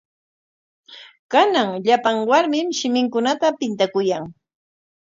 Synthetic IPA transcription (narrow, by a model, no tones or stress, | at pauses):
kanaŋʎapaŋwaɾmɪmʃɪmɪŋkʊnat̪apɪnt̪akʊjaŋ